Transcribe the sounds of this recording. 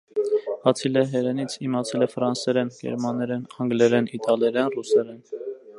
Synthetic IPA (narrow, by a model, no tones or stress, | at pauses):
ɑt͡sʰilɛɦɛɾɛnit͡sʰimɑt͡sʰɛlɛfɾɑnsɛɾɛnɡɛ̰ɾmɑnːɛɾɛnɑŋɡlɛɾɛnit̪ɑlɛɾɛnrusɛɾɛn